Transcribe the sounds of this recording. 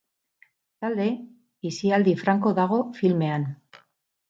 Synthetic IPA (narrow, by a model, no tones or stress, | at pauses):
t̪ald̪e̞ | isiald̪ifɾaŋko̞ðaɣ̞o̞filme̞an